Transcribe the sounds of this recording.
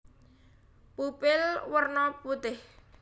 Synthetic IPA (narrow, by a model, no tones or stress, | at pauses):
pupɪlwərnɔput̪ɪh